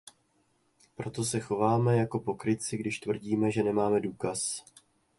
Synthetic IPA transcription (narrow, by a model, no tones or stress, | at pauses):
pɾo̞t̪o̞sɛxo̞vaːmɛjako̞po̞kɾɪt͡sɪɡdɪʃt̪vr̩ɟiːmɛʒɛnɛmaːmɛduːkas